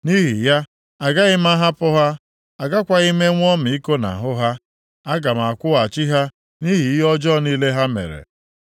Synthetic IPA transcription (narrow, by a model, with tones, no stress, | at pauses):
ni˦ɦi˨ja˦ | a˨ɡa˦ɣɪ˦ma˦ɦa˦pʊ˦ɦa˦ | a˨ɡa˦kʷa˦ɣi˦me˦ŋʷɔ˦mɪ˨i˦ko˦na̰˨ɦʊ˦ɦa˦ | a˦ɡa˨m˨a˨kʷʊ˦a˨t͡ʃi˦ɦa˦ | ni˦ɦi˨˦ɔ˦d͡ʒɔ˦˨ni˦le˦ɦa˦mḛ˨ɾḛ˨